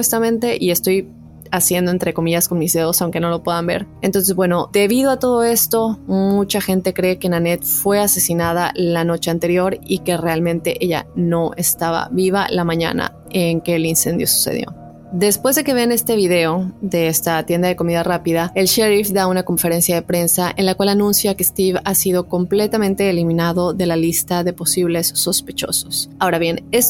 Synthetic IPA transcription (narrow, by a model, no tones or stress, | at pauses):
west̪amẽ̞nt̪e̞ʔiest̪o̞j | asje̞nd̪oe̞nt̪ɾe̞ko̞miʝasko̞nmizðeðosawŋke̞no̞lo̞pwe̞ðambe̞̰ɾent̪o̞ns̬zβwe̞no̞d̪e̞βiðo̞at̪o̞ð̞o̞e̞st̪o̞mmut͡ʃaxe̞nt̪e̞kɾe̞ke̞nãne̞t̪fwe̞ase̞sinaðalano̞t͡ʃe̞ant̪e̞ɾjo̞ɾike̞re̞almẽ̞nt̪e̞ʔe̞ʝa̰no̞ʔe̞st̪aβa̰βiβa̰lamãɲa̰na̰ | eŋke̞ːlinsẽ̞nd̪jo̰su̥sḛð̞jo̞̰ | d̪e̞spwe̞zðe̞ke̞βe̞ne̞st̪e̞βiðe̞o̞ðe̞est̪at̪je̞nd̪aðeko̞miðarapiðaelʃeɾifðaunako̞ɱfe̞ɾe̞nsjaðe̞pɾe̞nsaʔenlakwalanũnsjakest̪iβasiðo̞ko̞mple̞t̪amẽnt̪e̞ːlimĩnaðo̞ðe̞lalist̪aðe̞po̞siβle̞sːo̞spe̞t͡ʃo̞̰so̞̥sao̞ɾaβje̞nes